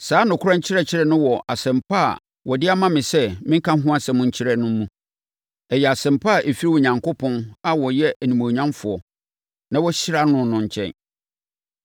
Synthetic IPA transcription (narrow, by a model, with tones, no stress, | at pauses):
saː˨˦nʊ̃˨kʰʊ˦ã˦ɲ̩˦t͡ɕʰɪ˦ɾɛ˦˨t͡ɕʰɪ˦ɾɛ˦nʊ̃˦wɔ˨ʔa˨sɛ̃˨mpʰa̰˦˨ | wɔ˨dɪ˦a˦mã˦mɪ̃˨sɛ˦mɪ̃˦ŋ̩˦kã˦ɦʊ̃˦a˦sɛ̃˨mʊ̃˦ɲ̩˦t͡ɕʰɪ˦ɾɛ˦˨nʊ̃˦mũ˦ | ɛ˨jɛ˨a˨sɛ̃˨mpa˦˨ʔe˨fi˦ɾi˦wɔ˨ɲã˨ŋkʊ˦pʰɔ̃˦na˨wɔ˨jɛ˦ʔæ˨nĩ˨mõ˨ɲã˦mfʊ˨ɔ˨ | nã˦wɔ˦ɕɪ˦ɾa˦nʊ̃˦nʊ̃˨ɲ̩˨t͡ɕʰɛ̰̃˨n